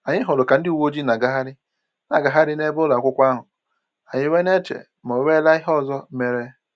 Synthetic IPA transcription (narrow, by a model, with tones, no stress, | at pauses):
a˨ɲɪ˦ɦʊ˨lʊ˨ka˨n̩˦dɪ˦u˨wo˦d͡ʒi˦na˨ɡa˦ɦa˦ɾɪ˦ | na˨ɡa˨ɦa˦ɾɪ˦ne˦bʊ˦la˨kʷʊ˦kʷa˦ɦʊ˨ | a˨ɲɪ˦we˦ne˦t͡ʃḛ˨ | mo˨we˦la˦ɪ˦ɦɔ˦˨zɔ˦me˦ɾe˦